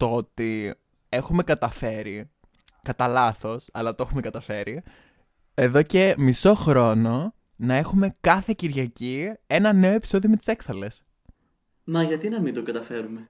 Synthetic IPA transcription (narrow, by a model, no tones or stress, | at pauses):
t̪oot̪i | e̞xume̞kɐt̪ɐfe̞ɾi | kɐt̪ɐlɐθo̞sɐ̰lɐt̪oe̞xume̞kɐt̪ɐfe̞ɾi | e̞ðo̞ce̞miso̞xɾo̞no̞ | nɐe̞xume̞kɐθe̞ciɾʝɐcie̞nɐne̞oe̞pi̥so̞ðiome̞t̪i̥se̞ksɐle̞s | mɐʝɐt̪inɐmind̪oɡɐt̪ɐfe̞ɾume̞